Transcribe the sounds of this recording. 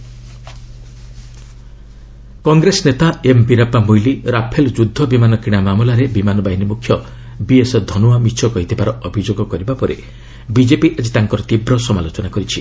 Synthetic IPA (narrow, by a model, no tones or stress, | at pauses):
kɔŋɡɾesnet̪aempiɾapamojliɾapʰeld͡ʒud̪ʱːɔbimanɔkɾiɽ̃amamulaɾebimanɔbaɦinimukʰːjɔ | biesɔd̪ʱɔnuamit͡ʃʰɔkɔɦit̪ʰibaɾɔɔbʱid͡ʒoɡɔkɔɾibapɔɾi | bid͡ʒepiʔad͡ʒit̪aŋkɔɾɔt̪ibɾɔsɔmalot͡ʃɔnakɔɾit͡ʃʰi